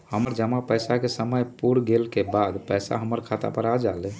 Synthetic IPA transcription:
həməɾd͡ʒəmapəjsakesəməjpuɾɡelkebad̪pəjsa̰ɦəməɾkʰat̪a̰pəɾad͡ʒalɛ

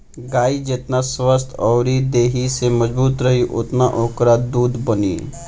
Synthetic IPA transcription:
ɡaːid͡ʒet̪naswəst̪ʰɔːɾid̪eːɦiseməd͡ʒbuːt̪ɾɐɦiʔʊ̰t̪naʔoːkɾad̪uːd̪ʱbɐnḭː

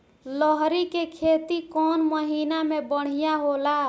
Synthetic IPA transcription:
ləɦɾikekʰet̪ikɔnməɦinamebəɽ̤̃ijaɦola

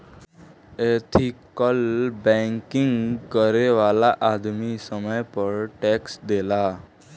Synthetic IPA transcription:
et̪ʰikəlbɛ̃ŋkɪŋɡkəɾeʋalaʔad̪misəməjpəɾʈɛksd̪ela

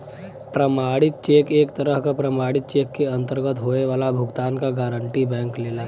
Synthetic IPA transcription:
pɾəmaːɽɪt̪̚t͡ʃeːkeːkt̪əɾəɦkapɾɐmaːɽɪt̪̚t͡ʃeːkːeɐ̃nt̪əɾɡət̪ɦoːeʋaːlabʱʊɡt̪aːnkaɡaːɾəɳʈibɛ̃ːŋkleːlaː

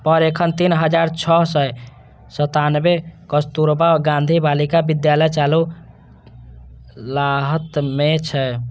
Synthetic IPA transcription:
pəɾekʰənt̪inɦəd͡ʒaɾt͡ʃʰɔɦsə | sət̪anbekəst̪uɾbaɡãnd̪ʱibalikabid̪jaləjt͡ʃalu | laɦət̪met͡ʃʰɛ

